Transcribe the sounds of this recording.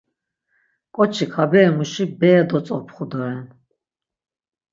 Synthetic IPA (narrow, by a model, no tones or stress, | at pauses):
kʼɔt͡ʃʰikʰabɛːmuʃibɛːad̪ɔt͡sʼɔpʰχud̪ɔɾɛn